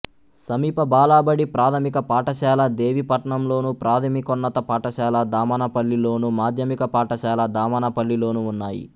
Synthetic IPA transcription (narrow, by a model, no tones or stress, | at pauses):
sɐmiːpɐbaːlaːbɐɽipɾaːt̪ʰɐmikɐpaːʈɐʃaːlɐd̪eːʋipɐʈɐɳɐmlo̞ːnupɾaːt̪ʰɐmikonːɐt̪ɐpaːʈɐʃaːlɐd̪aːmɐnɐpɐɭːilo̞ːnumaːd̪ʱjɐmikɐpaːʈɐʃaːlɐd̪aːmɐnɐpɐɭːilo̞ːnuːnːaːjḭ